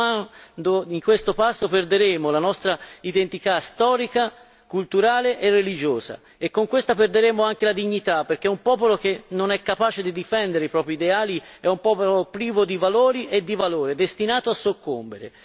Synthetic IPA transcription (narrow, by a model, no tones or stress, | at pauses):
and̪oiŋkwest̪opasːoperd̪eɾeːmolanɔst̪ɾaid̪ent̪it̪ast̪ɔːɾika | kult̪uɾaːleʔerːelid͡ʒoːza̰ | ekːoŋkwest̪aperd̪eɾeːmoaŋk̟elad̪iɲːit̪apːerk̟eumpɔːpolok̟enːonɛkːapaːt͡ʃed̪id̪ifɛnd̪eɾeipɾɔːpɾid̪eaːliɛumpɔːpolopɾiːvod̪ivaloːɾiʔed̪ːivaloːɾed̪est̪inaːt̪oasːokːo̰mbḛɾḛ